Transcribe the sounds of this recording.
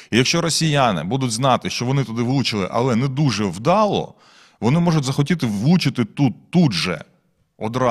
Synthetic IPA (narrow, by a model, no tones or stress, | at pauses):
ijɐkʃt͡ʃɔɾɔsʲijanɪ̰bud̪ʊtʲznɑt̪ɪʃt͡ʃɔʋɔnɪt̪ɔd̪ɪʋɪlˠut͡ʃɪlˠɪ̰ʔɐ̰lˠɛnɛd̪uʒɛwd̪ɑlˠɔ̰ | ʋɔnɪmɔʒʊtʲzɐxɔtʲit̪ɪʋlˠut͡ʃɪt̪ɪt̪ut̪ːud̪ʒɛ̰ | ɔd̪ɾɑ